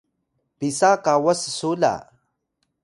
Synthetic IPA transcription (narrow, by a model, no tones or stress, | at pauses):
pisakawassula̰